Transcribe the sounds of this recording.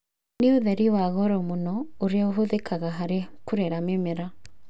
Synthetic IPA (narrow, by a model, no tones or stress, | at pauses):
neoðɛɾiwaɣɔɾɔmonɔoɾeaoɦoðekʰaɣaɦaɾekuɾeɾamemeɾa